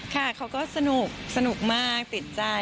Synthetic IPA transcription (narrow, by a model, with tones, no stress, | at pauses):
kʰa˥˩kʰa˦˥wkɔː˥˩sa˧nu˨˩k̚sa˧nu˨˩k̚maː˥˩k̚t̪i˨˩t̪̚t͡ɕa˧